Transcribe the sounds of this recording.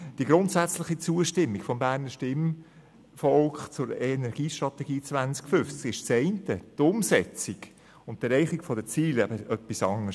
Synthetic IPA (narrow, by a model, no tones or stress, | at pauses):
d̥iəɡɾʊntsæt͡slɪχit͡suəʃtɪmːikfɔmbæːɾnəʃtɪm | fɔlkχt͡sʊɾenɛɾɡ̥iːʃtɾɑt̪ɛɡiːt͡svænt͡skfʏft͡skɪʃt͡sɛɪntətʊmsɛt͡siɡ | ʊnttɛɾɛɪχikfɔdət͡siːlæbəʔœpːisɑŋə